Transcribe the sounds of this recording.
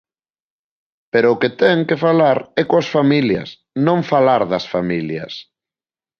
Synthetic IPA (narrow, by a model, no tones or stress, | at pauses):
peɾʊʊket̪ɛŋkefalaɾɛkoɐsfamiljɐ̰s | nõŋfalaɾðɐsfamiljɐ̰s